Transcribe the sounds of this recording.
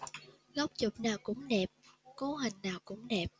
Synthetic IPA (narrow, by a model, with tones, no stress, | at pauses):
ɣə˦˥wk͡p̚t͡ɕʊ˨˩k͡p̚naː˨˩wkʊ̰˧˥ŋ͡mɗɛ˨˩p̚ko˨˧˦ɦï˨˩ŋ̟naː˨˩wkʊ̰˧˥ŋ͡mɗɛ˨˩p̚